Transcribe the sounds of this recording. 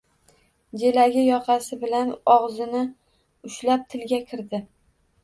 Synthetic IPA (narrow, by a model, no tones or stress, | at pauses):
d͡ʒelaɡʲɪjɒqʰɑsɪbɪlanɒʁzɪnɪ | ʊʃlap̚t̪ʰɪlɡʲakʲʰɪɾd̪ɪ